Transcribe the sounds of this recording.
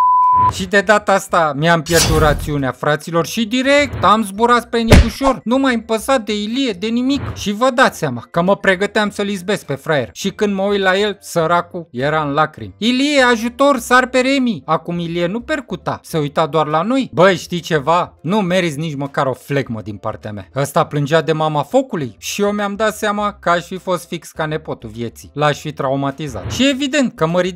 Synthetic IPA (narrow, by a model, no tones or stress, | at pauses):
ʃid̪e̞d̪at̪əast̪amiampje̞rd̪ut̪ɾat̪siuneafɾat̪silo̞rʃid̪iɾek̚t̪amzbuɾat̪spɾenikuʃo̞rnumajɨmpəsat̪̚d̪e̞ilije̞d̪e̞nimikʃivəd̪at̪seamakəməpɾe̞ɡət̪eamsəlizbe̞s̚pe̞fɾajerʃikɨnd̪məujlaje̞lsəɾakujeɾaɨnlakɾḭmilijeaʒut̪o̞rsarpe̞ɾe̞miakumilienupe̞rkut̪ase̞ujt̪ad̪oarlano̞jbəjʃt̪it͡ʃe̞vanumeɾizʲnit͡ʃməkaɾo̞fleɡməd̪inpa̰rt̪ea̰mea̰əst̪aplɨnd͡ʒead̪e̞mamafo̞kulujʃiomeamd̪at̪samakəaʃfifo̞st̪fikskane̞po̞t̪uvje̞t̪silaʃʲfit̪ɾaumat̪iza̰t̪ʃievid̪e̞nt̪̚kəməɾi